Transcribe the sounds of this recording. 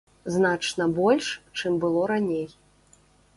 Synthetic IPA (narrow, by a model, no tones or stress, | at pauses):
znat͡ʂnɐbɔlʲʂt͡ʂɨmbɨlˠɔɾanʲej